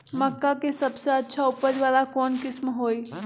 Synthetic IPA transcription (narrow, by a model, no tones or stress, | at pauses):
məkːakesəbseətːʃʰaʊpəɾʋaːlakɔːnkɪsmɦoːj